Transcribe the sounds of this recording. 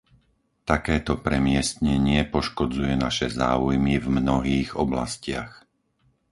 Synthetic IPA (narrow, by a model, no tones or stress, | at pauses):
t̪akɛːt̪ɔpɾɛmɪɛst̪ɲɛɲɪɛpɔʃkɔd͡zujɛnaʃɛzaːujmivmnɔɦiːɣɔbla̰scɪax